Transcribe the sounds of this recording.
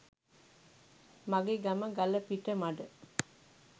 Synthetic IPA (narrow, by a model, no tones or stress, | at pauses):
maɡeɡɐməɡɐləpiʈːəmaɖə